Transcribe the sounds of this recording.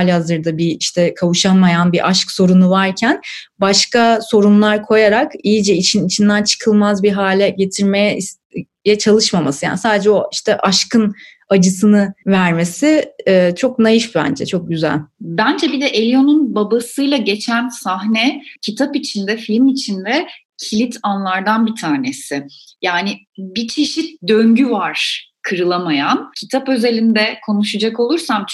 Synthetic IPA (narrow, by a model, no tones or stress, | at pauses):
alʲhazɯɾd̪abiiʃt̪ʰɛkʰavuʃanmajanbiʔaʃkso̞ɾunuvaɾcʰænbaʃkaso̞ɾunlˠaɾkʰo̞jaɾakijid͡ʒɛit͡ʃʰinit͡ʃʰind̪ænt͡ʃʰɯ̥kʰɯlˠmazbiɦaːlʲɛɟe̞t̪ʰiɾmejɛis | jɛt͡ʃʰalˠɯʃmamasɯja̰ːnisaːd̪ed͡ʒɛo̞iʃt̪ʰɛʔaʃkɯn | ad͡ʒɯsɯnɯvæɾme̞siɛːt͡ʃʰo̞k̚najɯʃbbæ̰nd͡ʒɛ̰t͡ʃʰo̞k̚ɟyzæ̰lʲbænd͡ʒɛbid̪ɛʔelʲijo̞nunbabasɯjlˠaɟe̞t͡ʃʰænsaɦnɛcʰit̪ʰapit͡ʃʰind̪ɛfilʲmit͡ʃʰind̪ɛ | cʰilʲit̪ʰanlˠaɾd̪anbit̪ʰaːnesɪjaːnɪ | bit͡ʃʰiʃit̪̚d̪ø̞ɲɟyvaɾ̥ | kʰɯɾɯlˠamajancʰit̪ʰapø̞ze̞lʲind̪ɛkʰo̞nuʃad͡ʒako̞lˠuɾsamt͡ʃ